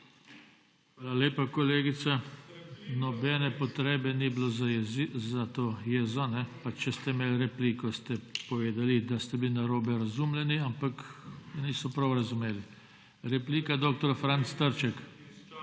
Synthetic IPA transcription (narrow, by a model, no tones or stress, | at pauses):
xʋʋaːlalʲeːpakɔleːɡit̪sa | nɔbɛnɛpɔt̪ɾeːbɛniblo | zat̪oːjezɔnɛpat͡ʃɛst̪ɛimeːlɾɛpliːkɔst̪ɛpɔʋeːd̪alid̪ast̪ɛblinaɾoːbɛɾazumlɛniampakniːsɔpɾawɾazumeːli | ɾɛpliːkad̪oːk̚t̪ɔɾfɾant̪st̪əɾt͡ʃɛk